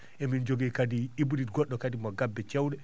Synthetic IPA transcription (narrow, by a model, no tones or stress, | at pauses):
ʔɛmind͡ʒoɡikadiibuditɡɔɗːɔkadimɔɡabːɛt͡ʃewɗɛ